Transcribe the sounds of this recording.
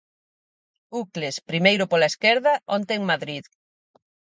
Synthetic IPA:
uklespɾimejɾʊpolaeskɛɾðɐʔont̪eːŋmaðɾið

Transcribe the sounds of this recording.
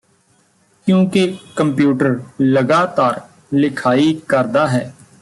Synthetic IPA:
kjũːkekəmpjuːʈəɾləɡaːt̪aːɾ | lɪkʰaːiːkəɾd̪aːɦɛː

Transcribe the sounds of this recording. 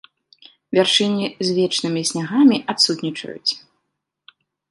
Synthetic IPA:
vʲarʂɨnʲizʲvʲɛt͡ʂnɨmʲisʲnʲaɣamʲiʔat̪sut̪ʲnʲit͡ʂɐ̰jṵt͡sʲ

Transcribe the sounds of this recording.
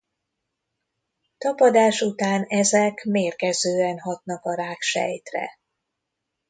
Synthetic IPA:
t̪ɒpɒd̪aːʃut̪aːnɛzɛkmeːrkɛzøːɛnɦɒt̪nɒkɒɾaːkʃɛ̰jt̪rɛ̰

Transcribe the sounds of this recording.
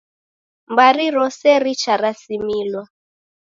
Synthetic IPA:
mbaɾiɾɔsɛɾit͡ʃaɾasimilwa

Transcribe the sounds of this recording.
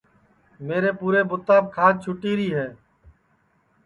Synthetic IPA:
meːɾeːpuːɾeːbʊt̪ːaːb̚kʰaːd̪̚t͡ʃʰʊʈiːɾiːɦɛː

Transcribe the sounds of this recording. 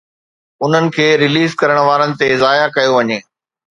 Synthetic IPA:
ʊn̤ənɪ̆kʰeːɾɪliːzkɐɾəɽ̃ʋaːɾənɪ̆t̪ezaːjakɐjoʋɐɲeː

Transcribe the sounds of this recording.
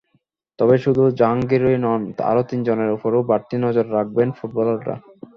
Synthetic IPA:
t̪ɔbeʃud̪ʱud͡ʑaŋɡeɾojnɔna̰ɾot̪ind͡ʑoneɾupoɾowbaɾt̪inɔd͡ʑoɾːak̚benfuʈ̚bɔloɾa̰

